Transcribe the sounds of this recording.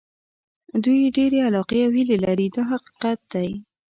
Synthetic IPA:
d̪ujɖeɾealɑqeawhilelaɾid̪ɑɦaqi̥qat̪̚d̪aj

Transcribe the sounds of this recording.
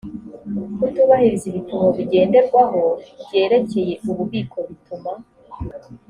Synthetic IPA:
kutuːβahiɾiziβitumoβiɟe̞ːnde̞ɾɡwaɦo̞bje̞ːɾe̞ce̞je̞uβuβiːkʰo̞βituma

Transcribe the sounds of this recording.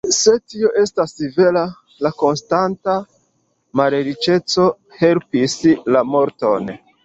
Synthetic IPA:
se̞tio̞ʔe̞stasive̞la | lako̞nstanta | maleɾit͡ʃe̞t͡so̞ | he̞lpislamo̞ɾto̞n

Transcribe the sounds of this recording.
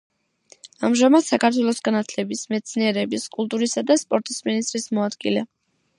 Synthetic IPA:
amʒamad̪̥sakat̪ʰwɛlˠɔsɡanat̪ʰlɛbismɛt̪sʰniɛɾɛbiskʼulˠt̪ʼuɾisad̪aspʼɔɾt̪ʼisminist̪ʼɾismɔad̪ɡilɛ

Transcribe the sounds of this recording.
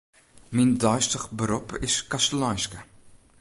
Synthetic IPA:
mindœɥstəχbəɾupɪskɐstəlɑjskə

